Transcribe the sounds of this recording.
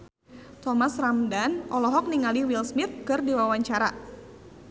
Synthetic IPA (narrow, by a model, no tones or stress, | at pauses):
t̪ɔmasramdanʔɔlɔɦɔk̚niŋaliwilsmit̪̚kɨrdiwawaɲt͡ʃaɾa